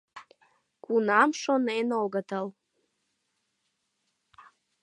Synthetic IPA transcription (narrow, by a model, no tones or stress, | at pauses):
kʷʼunamʂonenolɡatʰal